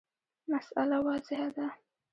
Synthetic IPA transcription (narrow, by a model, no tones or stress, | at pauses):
masa̰lawɑzɪɦad̪a